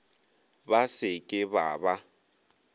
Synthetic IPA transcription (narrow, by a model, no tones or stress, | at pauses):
basɪkʼɪbaːba